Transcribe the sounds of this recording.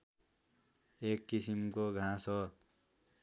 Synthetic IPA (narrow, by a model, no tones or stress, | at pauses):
ekːisimkoɡʱãsʌ